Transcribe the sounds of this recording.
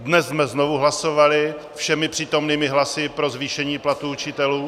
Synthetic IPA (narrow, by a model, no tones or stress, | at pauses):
dnɛzzmɛzno̞vuɦlaso̞valɪ | fʃɛmɪpr̥iːt̪o̞mniːmɪɦlasɪpɾo̞zviːʃɛɲiːplat̪uut͡ʃɪt̪ɛluː